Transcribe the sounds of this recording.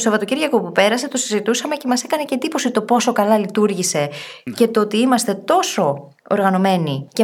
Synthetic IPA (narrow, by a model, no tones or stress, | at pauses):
sovɐt̪o̞ciɾʝɐko̞pupe̞ɾɐse̞t̪o̞sizit̪usɐme̞ce̞mɐsekɐne̞ced̪ipo̞sit̪o̞po̞so̞kɐlɐlit̪uɾʝise̞ce̞t̪oot̪iimɐst̪e̞t̪o̞so̞ | o̰ɾɣɐno̞me̞nice